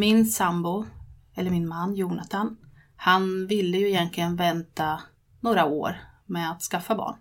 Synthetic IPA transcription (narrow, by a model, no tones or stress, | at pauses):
mɪnsambʊ | ɛlːəɾmɪnmanːjuːɳat̪ʰan | hanvɪlːəjɵɪjɛnt̪ʰlɪɡənvɛnt̪a | noːɾao̰ːɾmɛat̪skafːabɑ̰ːɳ